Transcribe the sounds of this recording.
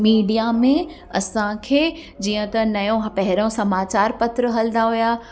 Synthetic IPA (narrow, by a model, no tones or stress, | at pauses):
miːɖijamẽ | ɐsãkʰeː | d͡ʑiːə̃t̪ɐnɐjõɦpɐɦɪɾõsɐmaːt͡ɕaːɾpɐt̪ɾəɦɐld̪aɦujaː